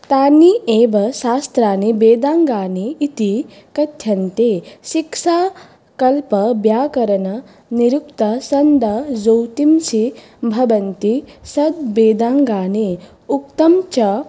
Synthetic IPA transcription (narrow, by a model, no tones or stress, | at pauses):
t̪aːnieːbɐsaːst̪ɾaːnibeːd̪aːŋɡaːneit̪i | kɐt̪ʰjɐnt̪eːʃiksaː | kɐlpɐbjaːkɐɾɐnɐ | niɾukt̪ɐsɐnd̪ʱɐd͡ʒowt̪imsi | bʱɐbɐnt̪isɐd̪beːd̪aːŋɡaːne | uk̚t̪ɐmt͡ʃɐ